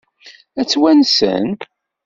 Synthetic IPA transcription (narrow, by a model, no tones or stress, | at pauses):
æt͡sːwænsə̰n